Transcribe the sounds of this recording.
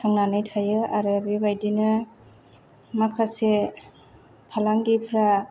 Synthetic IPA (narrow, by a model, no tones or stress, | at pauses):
tʰaŋnanɯjtʰajɯaɾɯbibajdinɯ | makʰase | pʰalaŋɡipʰɾa